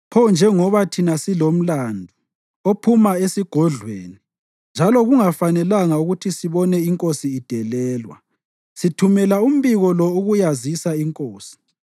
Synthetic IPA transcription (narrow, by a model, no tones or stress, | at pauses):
pʰɔnd͡ʒʱɛŋɔβatʰinasilom̩landʱu | opʰumaesiɡ̥ʱɔɮwḛːni | nd͡ʒʱalɔɣuŋafanɛlaŋauɣutʰisiβɔnɛiŋkʼosiːd̥ʱɛlɛːlwa̰ | sitʰumɛlaum̩βiɣɔlɔuɣujazisaiŋkʼoːsi̥